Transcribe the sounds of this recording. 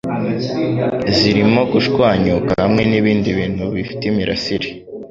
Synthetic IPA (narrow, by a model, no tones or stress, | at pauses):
ziɾimo̞ɡuʃkwaːɲukahamŋe̞niβiːndiβiːn̥huβifi̥temiɾʔa̰siɾi